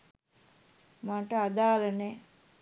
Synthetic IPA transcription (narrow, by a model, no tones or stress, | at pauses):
maːʈəad̪aːlənɛ